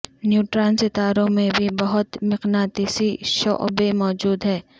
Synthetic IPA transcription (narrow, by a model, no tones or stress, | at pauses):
njuːʈɾãːnsɪt̪aːɾõmẽbʱibɐɦʊt̪mɪqnaːt̪isiʃɔ̰ʔbemɔːd͡ʒuːd̪ɦɛː